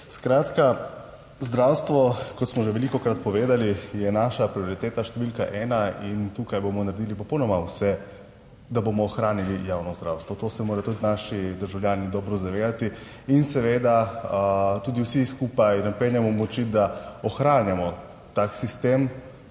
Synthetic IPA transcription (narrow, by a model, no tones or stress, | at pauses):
skɾaːt̪ka | zd̪ɾawst̪ʋɔkɔt̪smɔʒeʋɛlikɔkɾat̪pɔʋeːd̪alijɛnaːʃapɾioɾit̪eːt̪aʃt̪ɛʋilkaʔɛːnaint̪uːkajbomɔnaɾed̪iːlipɔpɔwnɔmawsɛ | d̪abomɔːxɾaːnilijaːwnɔzd̪ɾawst̪ʋɔt̪oːsɛmoːɾat̪ud̪naʃid̪əɾʒawlʲjaːnid̪ɔːbɾɔzaʋeːd̪at̪iː | nsɛʋeːd̪a | t̪uːd̪iwsiskuːpajnapɛnjɛmɔmɔt͡ʃid̪aɔxɾaːnjamɔ | t̪aksist̪eːm